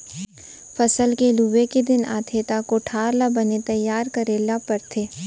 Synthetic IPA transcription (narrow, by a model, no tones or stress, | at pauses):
fɐsəlkeluːʋeked̪ɪna̰ːt̪ʰeːt̪akoʈʰaːɾlabɐnet̪ɐjːaːɾkɐɾeːlapɐɾt̪ʰeː